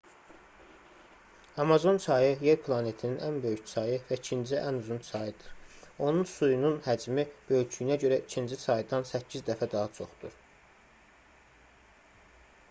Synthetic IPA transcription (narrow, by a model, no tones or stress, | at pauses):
ɑmɑzo̞nt͡ʃʰɑjɯje̞ɾpʰlˠɑne̞t̪ʰininʔænbø̞jycsʰɑjɯvæicʰind͡ʒiʔænuzunt͡ʃʰɑjɯd̪ɯɾo̞nunsujununhæd͡ʒmib̥ø̞jt͡ʃʰyjnæɟø̞ɾæʔicʰind͡ʒisʰɑjd̪ɑnsæcʰːizd̪æfæd̪ɑɦɑt͡ʃʰo̞̰χd̪uɾ